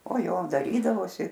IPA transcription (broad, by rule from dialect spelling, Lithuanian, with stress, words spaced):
oː ˈjoː dɐˈrʲiːdɐʋoːsʲɪ